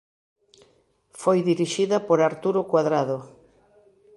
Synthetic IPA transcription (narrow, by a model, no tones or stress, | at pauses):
fojðiɾiʃiðɐpoɾaɾt̪uɾokwaðɾaðʊ